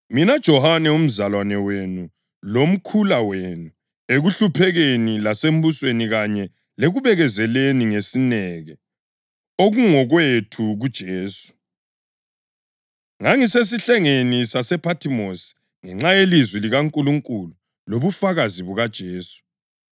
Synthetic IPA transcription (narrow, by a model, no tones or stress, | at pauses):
minad̥ʒ̥ʱɔhanɛum̩zalwanɛwenu | lom̩kʰulawenu | eɣuɬupʰɛɣenilasem̩busweniɣaɲɛ | leɣuβɛɣɛzɛleniŋesinɛɣɛ | oɣuŋɔɣwetʰuɣud̥ʒ̥ʱeːsu̥ | ŋaŋises̬iɬɛŋenisasɛpʰatʰimosi̥ | ŋɛŋ͡ǁajelizwiliɣaŋkʼuluŋkʼulu | loβufaɣaziβuɣad̥ʒ̥ʱeːsu̥